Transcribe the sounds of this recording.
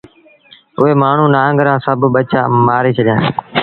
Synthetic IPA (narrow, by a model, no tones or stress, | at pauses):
ʊɦeːmaːɳ̤ũːnaːəŋɡɾãːsəbɓət͡ʃa̰ːmaːɾiːt͡ʃʰəɗjãː